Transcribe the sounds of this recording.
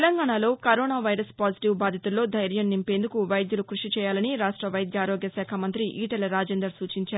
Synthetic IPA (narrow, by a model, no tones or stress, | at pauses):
elɐŋɡaːɳalo̞ːkɐɾoːnaːʋɐjɾɐspaːd͡ʒiʈiʋbaːd̪ʱjɐt̪ulːo̞ːd̪ʱɐjɾjɐnnːimpe̞ːnd̪ukuʋɐjd̪julukɾuʂit͡ʃɛːjaːlɐniɾaːʂʈɾɐʋɐjd̪jaːɾoːɡjɐsaːkʰɐmɐnt̪ɾiʔiːʈɐlɐɾaːd͡ʒeːnd̪ɐɾsuːt͡ʃiɲt͡ʃaːɾ